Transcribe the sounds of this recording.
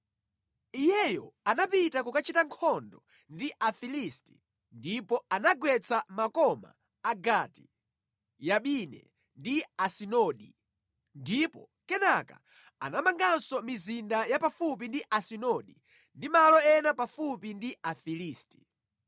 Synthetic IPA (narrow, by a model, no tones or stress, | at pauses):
ijɛjɔanapitakukat͡ʃitaŋkʰɔndɔ | ndiʔafilisti̥ | ndipɔanaɡwɛt͡sʰamakɔma̰ː | ɡatḭ | jaɓinɛ̰ | ndiasinɔɗi | ndipɔ̰ | kɛnaka̰ | a̰namaŋɡansɔmizindajapafupindiʔasinɔɗi | ndimalɔɛnapafupindiafiliːsti̥